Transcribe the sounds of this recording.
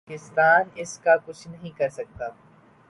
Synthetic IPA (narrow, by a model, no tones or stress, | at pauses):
kɪst̪aːnɪskakʊt͡ʃʰnɐɦĩkɐɾsɐk̚t̪aː